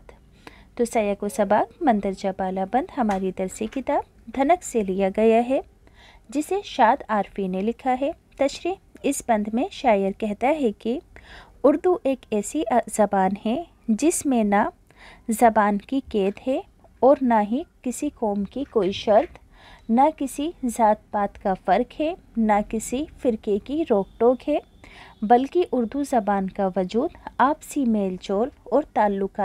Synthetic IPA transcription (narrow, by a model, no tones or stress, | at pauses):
t̪ | t̪osɐjakosɐbaːkmɐ̃nd̪əɾd͡ʒabaːlabɐ̃nd̪ɦɐmaːɾit̪ɐɾsekɪt̪aːb | d̪ʱɐnəkselijaɡɐjaɦɛ | d͡ʒɪseʃaːd̪aːɾfinelɪkʰaɦɛ | t̪ɐʃɾiːɪsbɐ̃nd̪ʱmẽʃaːjəɾkɛɦt̪aɦɛki | ʊɾd̪uʔeːkɛːsiz̥ɐbaːnɦɛ | d͡ʒɪsmẽna | zɐbaːnkikeːd̪ɦɛ | ɔːɾnaɦikɪsikɔːmkikoːiʃɐɾt̪ | nakɪsizaːt̪̚baːt̪kafɐɾkɦɛ | nakɪsifɪɾkekiɾoːk̚ʈoːkɦɛ | bɐlkiʔʊɾd̪uzɐbaːnkaʋɐd͡ʒuːd̪aːpsimeːlt͡ʃoːlɔːɾt̪aːlːʊka